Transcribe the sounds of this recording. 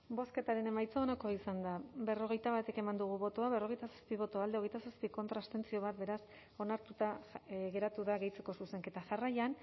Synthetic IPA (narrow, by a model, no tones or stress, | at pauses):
bo̞ske̞t̪aɾe̞ne̞majt͡saonoko̞isand̪abe̞ro̞ɣ̞e̞jt̪aβat̪e̞ke̞mand̪uɣuβo̞t̪oaβ̞e̞ro̞ɣe̞jt̪asḁspiβ̞o̞t̪oald̪eɣ̞e̞jt̪asaspiko̞nt̪ɾast̪e̞nt͡sio̞β̞at̪̚be̞ɾas | o̞naɾt̪ut̪aɣe̞ɾat̪uðaɣe̞jt͡se̞ko̞suse̞ŋke̞t̪aʝarajan